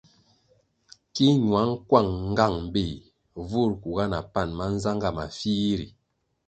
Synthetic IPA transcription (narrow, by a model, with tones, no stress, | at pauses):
ki˦ɲwa˨˦ŋ̩˦kwa˦˨ŋ̩˦ɡa˦˨ŋm̩˨be˦˨ | vu˦˨ɾku˨ɡa˦na˨pa˦˨nma˦n̩˦za˦ŋɡa˦˨ma̰˨fi˦ɾḭ˨